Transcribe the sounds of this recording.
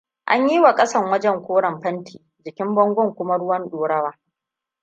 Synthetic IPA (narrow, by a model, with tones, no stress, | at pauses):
ʔa̰˦ɲji˦wa˨kʼɐ˦sɐ˦˨ŋwɐ˦d͡ʒɛ˦˨ŋkʷoː˦ɽɐ˨mɸɐ˦ntʰiː˨ | d͡ʒɪ˨kʲɪ˦mbɔ˦ŋɡʷɔ˦˨ŋkʷʊ˦ma˦ɽʊ˦wɐ˦nɗoː˨ɽɐ˦waː˦